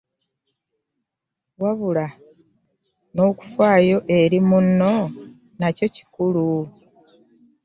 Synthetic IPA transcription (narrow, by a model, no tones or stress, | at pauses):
waβula | no̞ːku̥fwaːjo̞ʔe̞ɾimunːo̞ | naco̞ci̥kulu